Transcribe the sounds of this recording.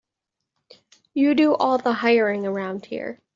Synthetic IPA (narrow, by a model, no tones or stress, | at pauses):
jɨdɨʔɔlˠðəhaɪə˞ɪ̃ŋə˞ãʊ̃nd̥̚hḭɹ